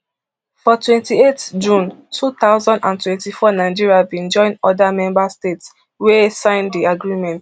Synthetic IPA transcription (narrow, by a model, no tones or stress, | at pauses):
fɔtwɛ̃ntietd͡ʒũntʰut̪aʊzãndãntwɛ̃ntifɔnaɪd͡ʒiɹiabĩnd͡ʒɔ̃ɪ̃ndɔdamɛ̃mbastets | wesãɪ̃ndiaɡɹimɛ̃nt